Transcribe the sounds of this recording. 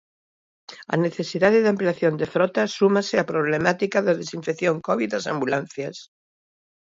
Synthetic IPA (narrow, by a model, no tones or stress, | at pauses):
a̰ne̞θe̞siðaðeðampleaθjond̪efɾot̪asumaseapɾoβ̞lemat̪ikaðeðesiɱfekθjoŋkoβ̞iðasambulan̟θjas